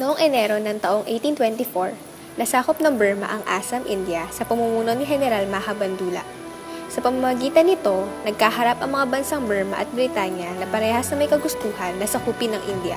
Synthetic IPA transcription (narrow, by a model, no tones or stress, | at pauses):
noʔoŋʔɛnɛɾo̞nɐŋt̪ɐʔo̞ŋʔejt̪int̪wɛnt̪ifoɹ | nɐsaːkop̚nɐŋbɛɹmɐ̰ʔɐŋʔaːsɐmʔḭnd̪jɐsɐpɐmumuːnonɪɦɛnɛɾalmɐɐɦɐbɐnd̪uːlɐ̰ʔ | sɐpɐmɐmɐɡiːt̪ɐnɪt̪o̞nɐɡ̚kaɦɐɾapʔɐŋmɐŋabɐnsaŋbɛɹmɐ̰ʔɐ̰t̪̚bɾɪt̪aːɲjɐnɐpɐɾɛːhɐsnɐŋmɐjkɐɡʊst̪uːɦɐnːɐsɐkuːpɪnɐŋʔind̪jɐ̰